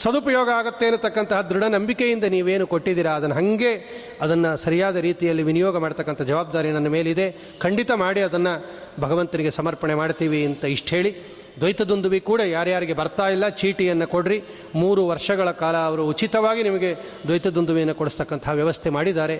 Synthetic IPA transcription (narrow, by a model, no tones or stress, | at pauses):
sɐd̪upɐjɔːɡɐaːɡɐt̪ːeːnut̪ːɐkːɐnt̪ɐɦɐd̪ɾuɽɐnɐmbikejind̪ɐniːʋe̞ːnukoʈːid̪iːɾɐːd̪ɐnɐɦɐŋɡe̞ | ɐd̪ɐnːɐsɐɾijaːd̪ɐɾiːt̪ijɐlːiʋinijɔːɡɐmaːɽt̪ɐkːɐnt̪ʰɐd͡ʒɐʋaːb̚d̪aːɾinɐnːɐme̞ːlid̪e̞ | kʰɐɳɖit̪ɐmaːɽiɐd̪ɐnːɐbʱɐɡɐʋɐnt̪ɐniɡe̞sɐmɐɾpɐɳemaːɽt̪iːʋiɐnt̪ɐiʂʈɦe̞ːɭi | d̪ʋɐjt̪ɐd̪und̪uʋikuːɽɐjaːɾjaːɾiɡe̞bɐɾt̪aːjilːɐt͡ʃiːʈijɐnːɐkoɽɾi | muːɾuʋɐɾʂɐɡɐɭɐkaːlɐːʋɐɾuːut͡ʃit̪ɐʋaːɡinimɐɡe̞ | d̪ʋɐjt̪ɐd̪und̪uʋijɐnːɐkoɽust̪ɐkːɐnt̪ʰɐɦɐʋjɐʋɐst̪ʰemaːɽid̪aːɾe̞